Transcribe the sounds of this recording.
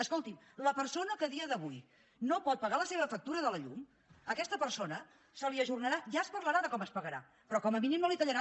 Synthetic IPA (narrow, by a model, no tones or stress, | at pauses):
əskolˠt̪im | ləpəɾsonəkəðiəðəβuj | nopɔt̪̚pəɣaləseβəfək̚t̪uɾəðələʎum | əkɛst̪əpəɾsonə | səliəʒurnəɾaʒaəspərləɾaðəkɔməspəɣəɾa̰ | pɾɔkɔməminimnolit̪əʎəɾa